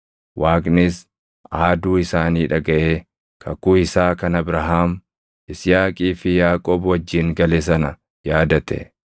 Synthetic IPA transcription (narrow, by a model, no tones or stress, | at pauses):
wʔaːkʼnɪs | aːd̪uːɪsaːniːᶑɐɡɐʔeː | kʰɐkuːɪsaːkɐnɐbɾɐɦaːm | ʔɪsjaːkʼiːfɪjaːkʼoːbwɐd͡ʒːiːŋɡɐles̬ɐnɐ | jaːd̪ɐt̪ɛ̰